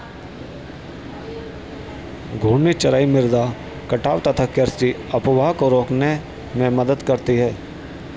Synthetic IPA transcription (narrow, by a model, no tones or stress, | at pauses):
ɡʱuːnːit͡ʃɐɾaːimɪɾd̪a | kɐʈaːʋt̪ɐt̪ʰakəɾst͡ʃiɐpʋaːkoɾoːkne | mẽməd̪əd̪kɐɾt̪iɦɛː